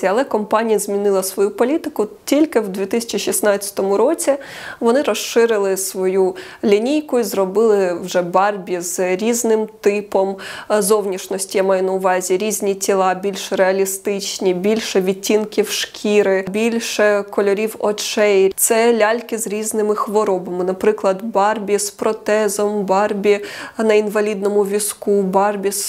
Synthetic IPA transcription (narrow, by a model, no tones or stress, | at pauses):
ɐlˠɛkɔmpɑnʲijɐzʲmʲinɪlˠɐsʋɔjupɔlʲit̪ɪkʊtʲilʲkɪwd̪ʲʋʲit̪ɪsʲɐ̥t͡ʃiʃʲisnɑt͡st͡sʲɐ̥t̪ɔmʊɾɔt͡sʲi | ʋɔnɪɾɔʃʃɪɾɪlˠɪsʋɔju | lʲinʲijkʊizɾɔbɪlˠɪwʒɛbɑrʲbʲizɾʲiznɪmt̪ɪpɔmzɔwnʲiʃnɔsʲtʲijamɑjʊnɐʊʋɑzʲiɾʲizʲnʲitʲilˠɑbʲilʲʃɾeɐlʲist̪ɪt͡ʃnʲibʲilʲʃɛʋʲitʲːinkʲiwʃkʲʰiɾɪbʲilʲʃɛkɔlʲɔɾʲiwɔt͡ʃɛjt̪sɛlʲɑlʲkɪzɾʲiznɪmɪxʋɔɾɔbɐmɪnɐpɾɪklˠɐd̪bɑrbʲispɾɔt̪ɛzɔmbɑrbʲinɐinʋɐlʲid̪nɔmʊʋʲiskubɑrbʲis